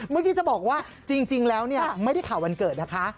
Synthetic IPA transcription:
mɯ˥˩kʰiː˧˩t͡ɕa˨˩bɔː˨˩k̚waː˥˩ | t͡ɕi˧ŋt͡ɕi˧ŋlɛː˦˥wni˥˩ɐma˥˩jda˥˩jkʰaː˨˩˦wa˧nkɤː˨˩t̪̚na˦˥kʰa˦˥

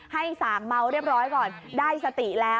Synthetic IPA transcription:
ha˥˩jsaː˩˦ŋma˧wɾi˥˩əp̚ɾɔː˦˥jkɔː˨˩ndaː˥˩jsa˧t̪i˨˩lɛː˦˥

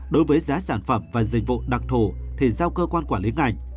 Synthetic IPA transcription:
ɗo˨˦jvəː˨˦jzaː˨˦saː˧˩nfə˧˩mvaː˨˩zï˨˩k̟̚vṵ˧˨ɗa˨˩k̚t̪ʰo˧˩t̪ʰi˨˩zaː˧wkəː˧kwaː˧nkwaː˧˩li˨˦ŋʔa˨˩jŋ̟

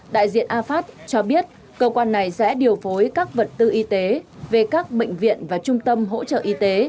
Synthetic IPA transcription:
ɗa̰ː˧˨jzḭ˧˨ənʔaː˧faː˦˥t̚t͡ɕɔ˧ɓi˦˥ət̚ | kəː˧kwaː˧nːa˨˩jsɛ̰˧˥ɗi˨˩ə˩wfo˨˦jkaː˦˥k̚və˨˩t̚t̪ɨ˧ʔi˧t̪e˨˦ve˨˩kaː˦˥k̚ɓḛ˧˨ŋ̟vḭ˧˨ənvaː˨˩t͡ɕʊ˧ŋ͡mt̪ə˧mɦo̰˧˥t͡ɕə̰ː˧˨ʔi˧t̪e˨˦

